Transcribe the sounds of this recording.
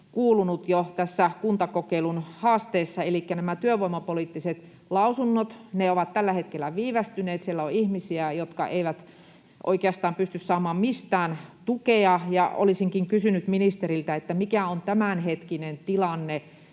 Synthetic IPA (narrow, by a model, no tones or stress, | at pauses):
kuːlunut̪jot̪æsːækunt̪ɑkokeilunhɑːst̪eːsːɑelikːænæmæt̪yøʋoimɑpolit̪ːiset̪ | lɑusunːot̪neoʋɑt̪t̪ælːæhet̪kelːˑæʋiːʋæst̪yneːt̪sielːæoihmisiæjot̪kɑ̰ʔeiʋæt̪ | ʔo̰ikeɑst̪ɑːmpyst̪yssɑːmɑːmmist̪æːnt̪ukeɑjɑo̰lisiŋkiŋkysynyt̪minist̪eɾilt̪æet̪ːæmikæont̪æmænhet̪kinent̪ilɑnːe